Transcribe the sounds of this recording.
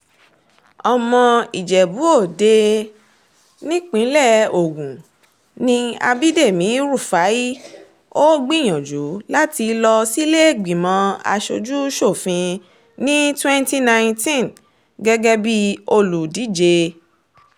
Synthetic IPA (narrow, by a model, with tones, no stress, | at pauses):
ɔ˨mɔ̃˧i˨d͡ʒɛ˨bu˨˦o˦˨de˧ | nĩ˦k͡pĩ˨˦lɛ˦˨o˨ɡũ˨ | nĩ˦a̰˧bi˦de˦˨mĩ˨˦ɾu˦˨fa˨˦ji˦ | o˦ɡ͡bĩ˦˨j̃ɔ̃˨d͡ʒu˨˦la˦ti˧lɔ˧si˦le˦˨ɡ͡bĩ˨mɔ̃˨˧a̰˧ʃo̰˧d͡ʒu˦ʃo˦˨fĩ˧ | nĩ˦twɛ̃˦nti˦nã˧j̃tĩ˦n | ɡɛ˦ɡɛ˦bi˦o˧lu˨di˨˦d͡ʒe˧